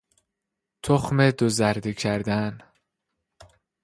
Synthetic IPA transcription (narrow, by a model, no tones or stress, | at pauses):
t̪ʰoxmed̪ozæɾd̪ecʰæɾd̪æn